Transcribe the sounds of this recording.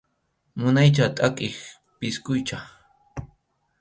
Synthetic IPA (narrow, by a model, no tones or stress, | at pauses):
mʊnajt͡ʃat̪ʼakʼɪx | pɪskʊjt͡ʃa